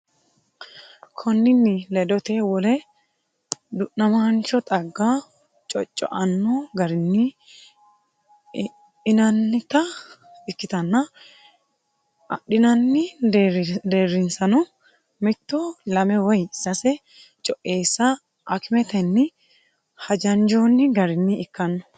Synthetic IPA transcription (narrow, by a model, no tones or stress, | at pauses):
kʰɔnːɪnːɪlɛd̪ɔt̪e̞ːwɔlɛ | d̪ʊʔːɐmɐnt͡ʃɔt̪ʼɐɡːaː | t͡ʃʼɔ̰t͡ʃʼːɔ̰ʔɐnːoːɡɐɾɪnːɪ | ɪnɐnːɪt̪ɐ | ɪkːɪt̪ɐnːɐ | ɐɗɪnɐnːɪ | d̪eːrːɪnsɐnɔ | mɪt̪ːoːlɐmɛwɔjsɐsɛ | t͡ʃʼɔʔe̞ːsːa | ʔɐkɪmɛt̪ɛnːɪ | hɐd͡ʒɐnd͡ʒoːnːɪɡɐɾɪnːɪɪkːɐnːɔ̥